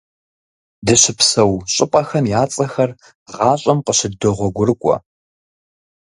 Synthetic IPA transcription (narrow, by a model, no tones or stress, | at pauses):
dɨɕɪpsɐwɕʼɪpʼɐxɐmjaːt͡sʼɐxɐr | ʁɑːɕʼɐmqəɕɪdoʁʷɔɡʷʊrkʷʼɔ̰